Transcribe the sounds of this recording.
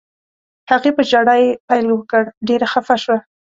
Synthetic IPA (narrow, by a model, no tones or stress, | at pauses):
haɣepəd͡ʒaɽajepajlwəkəɽɖeɾaxafaʃwa